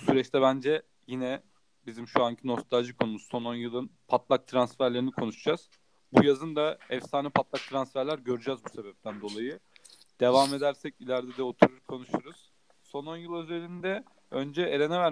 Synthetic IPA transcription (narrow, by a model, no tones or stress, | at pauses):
usyɾɛt͡ʃt̪ʰɛβbænd͡ʒɛ | jinɛ | bizimʃuaɲcʰino̞st̪ʰad͡ʒɯkʰo̞numusso̞no̞njɯlˠɯnpʰat̪lˠak̚t̪ʰɾansfæɾlʲe̞ɾinikʰo̞nuʃd͡ʒaz̥ | bujazɯnd̪aɛfsaːnɯpʰat̪lˠak̚t̪ʰɾansfæɾlʲæɾɟø̞ɾyd͡ʒɛzbuse̞bɛp̚t̪ʰænd̪o̞lˠajɯ | d̪̥e̞vame̞d̪æɾsɛcilʲæɾd̪ɛd̪ɛo̞t̪ʰuɾuɾkʰo̞nuʃuɾuz̥ | so̞no̞njɯlˠø̞ze̞lʲind̪ɛ | ø̞nd͡ʒɛeɾe̞nɛvæɾ